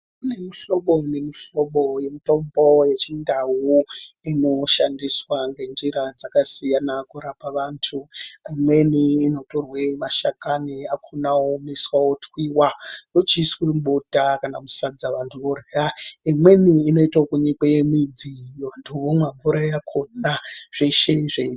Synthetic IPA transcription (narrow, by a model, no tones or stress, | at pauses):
une̞miɬo̞ɓone̞miʃo̞ɓo̞je̞mito̞mbo̞je̞t͡ʃindawuino̞ʃandiswaŋɡe̞nd͡ʒiɾad͡zakasijanakuɾapaʋaːntʰuimwe̞niːno̞torwe̞maʃakaniakʰunaomiswawotwiːwanot͡ʃisweɓotakanamusad͡zaʋantʰuʋoreraimwe̞niːno̞itaokuɲikejemid͡ziʋantʰuʋomwaɱvuɾajakʰonaʐ̥eʃeʐe